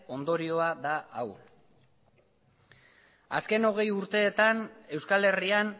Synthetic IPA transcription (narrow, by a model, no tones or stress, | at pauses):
o̞nd̪o̞ɾio̞aðaʔaw | a̰ske̞no̞ɣ̞e̞juɾt̪e̞ːt̪ane̞wskale̞rian